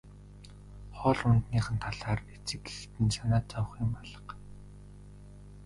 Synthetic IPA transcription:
χɔːɮʊnt̪niːχə̆nt̪ʰaɮaːret͡sɘ̆kext̪ɘ̆nsanaːt͡sʰɔw̆χɪ̆mpaɮə̆q

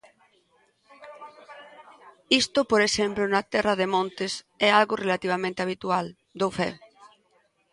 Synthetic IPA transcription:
ist̪ʊpoɾesemplʊnat̪ɛrɐðemõnt̪ɪs | ɛalɣʊrelat̪iβ̞amẽnt̪eaβ̞it̪ual | d̪ofɛ̰

